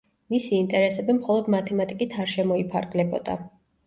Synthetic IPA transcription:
misiːnt̪ʼɛɾɛsɛbimχɔlˠɔd̪mat̪ʰɛmat̪ʼikʼit̪ʰaɾʃɛmɔipʰa̰ɾɡlɛbɔ̰d̪a̰

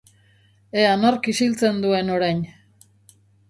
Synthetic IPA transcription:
e̞anoɾkisilt͡se̞nd̪ue̞no̞ɾajn

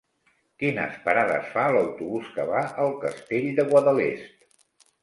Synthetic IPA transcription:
kinə̰spəɾaðə̰sfaləwt̪uβuskəβaʔəlˠkəst̪eʎd̪əɣwaðəlḛst̪̚

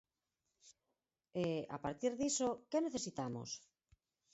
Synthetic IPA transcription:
ea̰paɾt̪iɾðisokeneθesit̪amo̰s

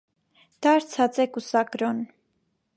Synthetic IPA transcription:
d̪̥ɑɾt͡sʰɑt͡sɛkusɑkɾɔn

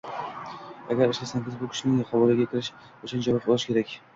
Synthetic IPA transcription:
a̰ɡʲaɾɪʃlasaŋɡʲɪzbʊkʲɪ̥ʃɪnɪχawɒlaɡʲakʲʰɪɾɪʃ | oʃand͡ʒaɾɒpbɒlˠɪʃkʲʰe̞ɾakʲ

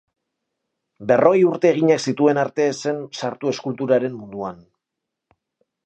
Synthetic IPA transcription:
be̞rʔo̞juɾt̪e̞ːɣ̞iɲaksit̪ue̞naɾt̪e̞se̞nsaɾt̪ue̞skult̪uɾaɾe̞mmund̪uan

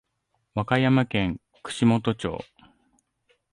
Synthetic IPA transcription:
βakajamakẽ̞ŋ | kɯ̟̥ɕimo̞t̪o̞t͡ɕo̞̰ː

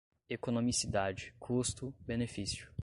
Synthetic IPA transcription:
ekonõmisid̪ad͡ʒɪkʰust̪ʊbenefisjʊ̥

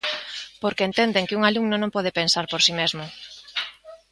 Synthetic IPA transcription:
poɾkeːnt̪end̪eŋkɪuŋalumnonõmpɔð̞epensaɾpoɾsimezmʊ

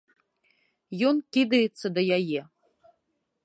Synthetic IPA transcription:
jɔnkʲid̪ɐjɛt̪sːɐd̪ɐjajɛ

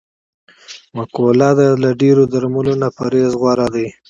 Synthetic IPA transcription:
makolɑd̪alaɖeɾod̪aɾmalonapaɾezɣwaɾad̪aj

